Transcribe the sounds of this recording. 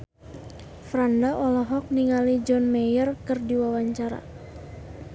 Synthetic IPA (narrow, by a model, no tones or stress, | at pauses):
fɾandaʔɔlɔɦɔk̚niŋalid͡ʒɔnmɛjərkɨrdiwawaɲt͡ʃaɾa̰